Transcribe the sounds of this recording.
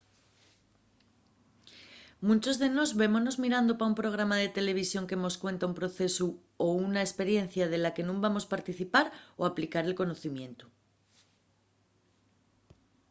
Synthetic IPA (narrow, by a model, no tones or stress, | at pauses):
mũnt͡ʃo̞zðe̞no̞zβe̞mono̞zmiɾand̪opaumpɾo̞ɣ̞ɾamaðe̞t̪e̞le̞β̞isjo̞ŋkemo̞skwe̞nt̪aumpɾo̞θe̞su | ounaespe̞ɾje̞n̟θjað̞e̞lake̞nũmbamo̞spaɾt̪iθipaɾoaplikaɾe̞lko̞no̞θimjẽ̞nt̪u̥